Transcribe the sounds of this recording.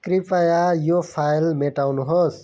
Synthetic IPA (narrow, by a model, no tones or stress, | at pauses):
kɾipajajopʰajlmeʈawnuɦos